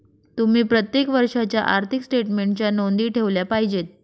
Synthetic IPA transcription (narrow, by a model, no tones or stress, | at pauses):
t̪um̤iːpɾət̪jekʋəɾʂat͡ɕjaʔaɾt̪ʰiksʈeʈmeɳʈt͡ɕjanond̪iːʈʰeʋljapaɦid͡ʑet̪̚